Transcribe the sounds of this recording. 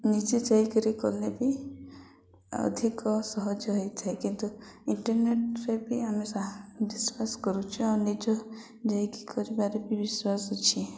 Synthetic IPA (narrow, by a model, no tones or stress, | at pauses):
nid͡ʒed͡ʒajkɔɾikɔlebi | ɔ̰d̪ʱikɔsɔɦɔd͡ʒɔɦɔjt̪ʰaekint̪uiɳʈɔɾneʈɾebiamesabiswasɔ̥kɔɾut͡ʃʰianid͡ʒɔ | d͡ʒajkikʰɔɾibaɾebibiswasɔt͡ʃʰi